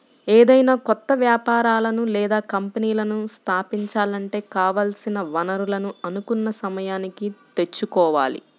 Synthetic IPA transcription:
eːd̪ɐjnaːkɔt̪ːɐʋjaːpaːɾaːlɐnulɛːd̪aːkɐmpɐniːlɐnust̪ʰaːpiɲt͡ʃaːlɐɳʈe̞ːkaːʋaːlsinɐʋɐnɐɾulɐnuɐnukunːɐsɐmɐjaːnikit̪e̞t͡ʃːukɔːʋa̰ːlḭ

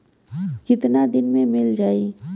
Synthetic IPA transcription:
kɪt̪nad̪ɪnmẽmɪld͡ʒaːiː

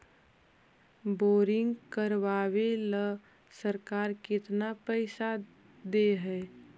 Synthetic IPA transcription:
boːɾɪ̃ŋɡkəɾʋaːwelə | səɾkaːɾkɪt̪napɛɪsa | d̪eɦɛː

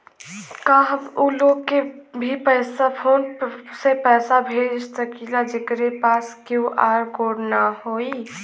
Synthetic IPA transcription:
kaɦbulokːebʱipəjsapʰonsepəjsabʱeɾsəkilad͡ʒekɾepaskuʔaɾkoɾnahoj

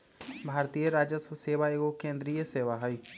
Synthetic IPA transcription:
bʱaːɾt̪ijeɾaːd͡ʒəsəseːʋaːeɡokẽːnd̪ɾijeseːʋaːɦaiː

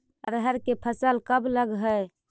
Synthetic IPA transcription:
əɾəɦəɾkepʰəsəlkəbləɡɦəj

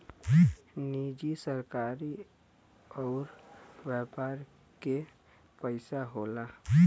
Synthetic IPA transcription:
nid͡ʒisəɾkaːɾi | ɔːɾʋjɛːpaːɾ | ke | pəɪsaɦoːla

